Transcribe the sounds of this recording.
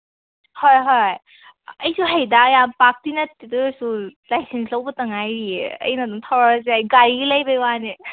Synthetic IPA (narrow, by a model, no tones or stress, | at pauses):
hɔjɦɔj | ɐjsuɦajdajampak̚tinatitɯsulajsenslɐwbɐtɐŋajɾieɐ̰jnaduŋtʰawɾazeajɡaɾiilajbajwani